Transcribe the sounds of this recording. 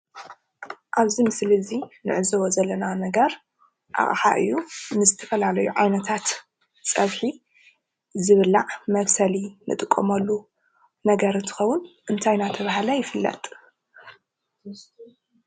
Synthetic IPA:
ʔaβzimɨslizinɨ̰ʕɨzɐwozɐlːɐnanɐɡɐɾ | ʔa̰χʼħa̰ʔɨ̰jːunɨzɨt̪ʰɐfɐlalɐjuʕajnɐt̪ʰat̪ | sʼɐβħi | zɨβɨlːaʕmɐβsɐlinɨ̰t̪ʼɨkʼːo̰mɐlːu | nɐɡɐɾɨnt̪ʰɨ̥xɐwʊnʔɨnt̪ʰajnat̪ʰɐβaɦalɐjɪfɨlːɐ̰t̪ʼ

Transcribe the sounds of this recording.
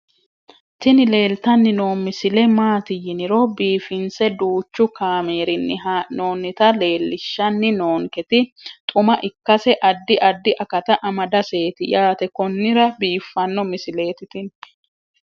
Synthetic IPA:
t̪ɪnɪle̞ːlt̪ɐnːɪnoːmɪsɪlɛmaːt̪ɪjɪnɪɾɔbiːfɪnsɛd̪uːt͡ʃːʊkaːmeːɾɪnːɪɦno̞ːnːɪt̪ɐle̞ːlːɪʃːɐnːɪno̞ːŋkɛt̪ɪt̪ʼʊmɐʔɪkːɐsɛʔɐd̪ːɪʔɐd̪ːɪʔɐkɐt̪ɐʔɐmɐd̪ɐse̞ːt̪ɪjaːt̪ɛkɔnːɪɾɐbiːfːɐnːɔmɪsɪle̞ːt̪ɪt̪ɪn

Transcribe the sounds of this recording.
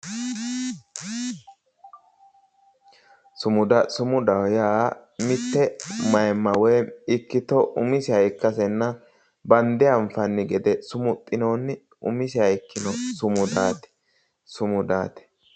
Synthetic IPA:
sʊmʊd̪ɐsʊmʊd̪ɐwjaːmɪt̪ːɛmɐjmːɐwɛjɪkːɪt̪ɔʔʊmɪsɪhɐjkːɐsɛnːɐ | bɐnd̪ɪɐɱfɐnːɪɡɛd̪ɛsʊmʊt̪ʼːɪnoːnː | ʊ̰mɪsɪhɐjkːɪnɔsʊmʊd̪aːt̪ɛ̥ | sʊmʊd̪a̰ːt̪ɛ̥

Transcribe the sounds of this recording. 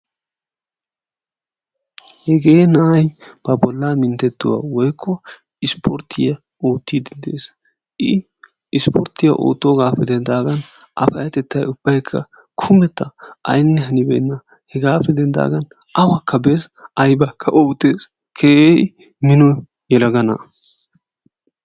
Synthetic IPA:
hɛɡeːnɐʔɐjb̥ɐbɔlːamɪnt̪ɛt̪ːʊwa̰wɔjkʰːɔ | ɪspʰɔɾt̪ʰɪjɐ | oːt̪ːid̪ɛnd̪ḛːs | ʔɪ | ɪspʰɔɾt̪ɪjɐ̰ʔo̰ːt̪ːɔɡaːfɛd̪ɛnd̪aːɡɐn | ʔɐ̰fɐjɐt̪ɛt̪ːɐjʊb̥ːɐjkʰːɐ̰ | kʰʊmɛt̪ːɐɐ̰jnːɛɦɐnɪbɛnːɐ | hɛɡaːfɛd̪ɛnd̪a̰ːɡɐn | ʔɐwɐkʰːɐbesɐjbɐkʰːɐʔoːt̪ːeːs | kʰeːʔej | mɪnɔ | jɛlɐɡɐnɐ̰

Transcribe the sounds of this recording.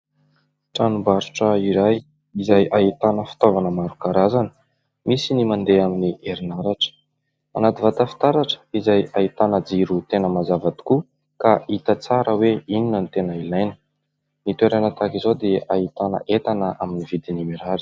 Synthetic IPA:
ʈ͡ʂanubaɾuʈ͡ʂəiɾaj | izajʔaɦit̪anəfi̥t̪ovanəmaɾukaɾazanə̥ | misinimand̪eaminiʔeɾinaɾaʈ͡ʂə̥ | a̰nat̪ivat̪afi̥t̪aɾaʈ͡ʂə̥izajait̪anəd͡ziɾut̪enəmazavat̪i̥ku | kaʔit̪at͡saɾəweininənit̪enailajnə | nit̪eɾanat̪akizod̪eaɦit̪anə̰ʔet̪anəʔaminivid̪inimeɾaɾi̥

